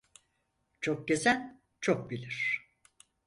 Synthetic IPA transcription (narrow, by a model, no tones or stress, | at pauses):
t͡ʃʰok̚ɟezæn | t͡ʃʰok̚bilʲiɾ̥